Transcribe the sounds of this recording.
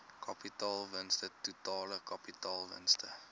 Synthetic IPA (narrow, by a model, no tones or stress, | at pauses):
kʰɐpitɑːlˠvənstətutɑːləkɐpitɑːlˠvə̰nstə